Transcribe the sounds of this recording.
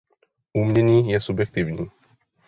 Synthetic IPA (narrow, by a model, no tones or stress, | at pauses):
umnenĩjɛsubjɛk̚t̪ivni